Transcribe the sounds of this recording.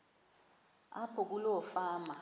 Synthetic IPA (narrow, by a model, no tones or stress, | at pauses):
apʰɔk̬ulɔfaːma